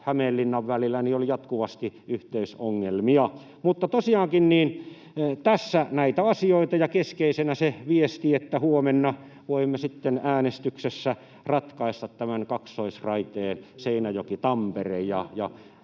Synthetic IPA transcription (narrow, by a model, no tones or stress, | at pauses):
hæmelːinːɑʋʋælilːˑænioljɑt̪kuʋɑst̪iʔyht̪eysoŋːelmiɑ | mut̪ːɑt̪osiɑːŋkinniːn | t̪æsːænæit̪æɑsioit̪ɑjɑkeskeisenæseʋiest̪iet̪ːæhuomenːɑ | ʋoimːesit̪ːenæːnest̪yksesːæ | rɑt̪kɑˑist̪ɑt̪t̪æmænkɑksːoisrɑit̪eːnseˑinæjokit̪ɑmperejɑjɑ